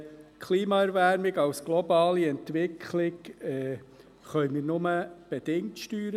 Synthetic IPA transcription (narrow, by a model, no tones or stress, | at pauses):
kʰliːmɑɛɾʋæɾmɪɡɑwsɡ̥lɔbɑːliɛntʋɪkʰχlɪɡɛ | χœʏmiːɾnʊməb̥ɛd̥̪ɪŋtʃtyːɾə